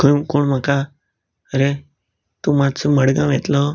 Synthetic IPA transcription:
kjũkoɳmãka | əɾe | t̪ũmãt͡ʃməɽɡãʋet̪lo

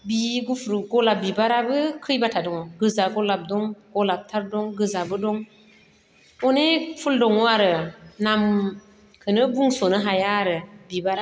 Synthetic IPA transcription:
biɡufɾuɡolab̚bibaɾabəkʰɯjbatadɔŋoɡəzaɡɔlab̚dɔŋɡ̥olab̚tʰaɾdɔŋɡəzabədɔŋ | onefuldɔŋoaɾənam | kʰənəbuŋsonəɦajaɾəbibaɾa

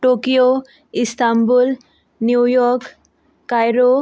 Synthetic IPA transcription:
ʈokijo | ist̪ambul | njujɔɾk | kajɾo

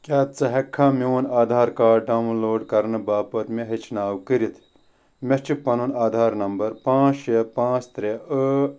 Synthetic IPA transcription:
kʲaːt̪t͡sɐɦɐkʰːãːmiwunaːd̪ʱaːɾkaːɖɖaːwnloːɖkɐɾnɨbaːpɐt̪meɦit͡ʃʰnaːwkɨɾit̪ʰ | met͡ʃipɐnunaːd̪ʱaːɾnɐmbɐɾpãːt͡ʃepãːt͡st̪ɾeə

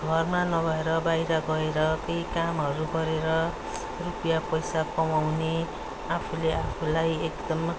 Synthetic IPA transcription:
ɡʱʌrmanʌɡʱʌeɾʌbajɾʌɡʌeɾʌkejkamɦʌɾuɡʌɾeɾʌ | rupijapʌjsakʌmawne | apʰuleapʰulajekd̪ʌm

